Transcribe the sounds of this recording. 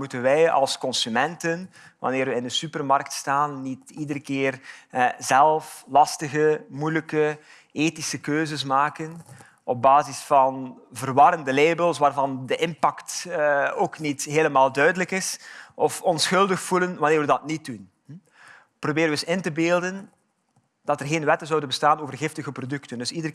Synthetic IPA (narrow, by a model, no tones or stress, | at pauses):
mutənʋɛjɑ̰lˠskɔnsymɛntən | ʋɑ̰nɪːɾʋəɪndəsypərmɑrk̚tstaːnːitidəɾəkɪːrzɛlˠflɑstəɣəmujləkə | eːtisəkøːzəs̬maːkən | ɔb̚baːzisfɑn | vərʋɑɾəndəleːbəlˠsʋaːrvɑndəʔɪmpɑkt | oːknitɦeːləmaːlˠdœɥdələkɪsʔɔfɔnsxɵlˠdəxfulənʋɑnɪːrɹʋədɑtnit̚dun | ɛ | probeːɾənəəsɪntəbeːlˠdən | d̥ɑtərɣeːnʋɛtənzɔwdənbəstaːnoːvərɣɪftəɣəprodʏktəndɵsidər